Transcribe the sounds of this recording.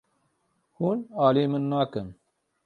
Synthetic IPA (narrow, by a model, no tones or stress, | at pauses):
huːnaːleːmɨnːaːkɨn